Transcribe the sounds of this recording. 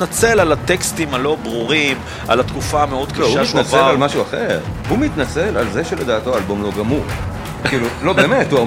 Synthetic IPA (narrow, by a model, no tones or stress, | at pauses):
nat͡se̞lalat̪ekstimalo̞bʁuʁim | a̰lat̪kufameo̞d̪kʃaʃnat͡svealmaʃuaχeʁhumit̪nat͡se̞lalzeʃeled̪aːt̪o̞albo̞mlo̞ɡamul | kiːlulo̞bemethua